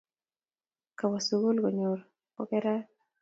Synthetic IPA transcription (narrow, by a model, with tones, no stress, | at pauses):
ka˨wa˨su˨ɡo˦lɡo˨ɲo˨ɾ | ɔ̰˦kɛ˦ɾa˦